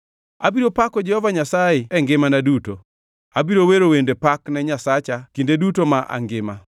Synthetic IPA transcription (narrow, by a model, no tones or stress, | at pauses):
abiɾopakɔd͡ʒɛhɔvaɲasajɪɛŋɡɪmanaduto | abiɾoweɾowendepaknɛɲasat͡ʃakindedutomaʔa̰ŋɡɪma